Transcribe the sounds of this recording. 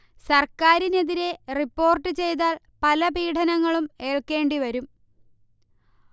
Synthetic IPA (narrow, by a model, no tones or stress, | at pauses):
sɐrkaːɾine̞ðiɾe̞ripːo̞ːrʈːɨt͡ɕe̞jt̪̬aːɭ | pɐlɐbiːʈʰɐnɐŋːɐɭume̞ːɭke̞ːɳɖiʋɐɾum